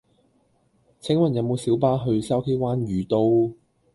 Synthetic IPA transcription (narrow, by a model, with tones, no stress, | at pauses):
t͡sʰɪ˨˥ŋwɐ˨njɐ˨˧wmo˨˧wsiː˨˥wpaː˥ɦɵ˧ɥsɐ˥wkʰe˥waː˥nɥyː˨˧t̪o˧w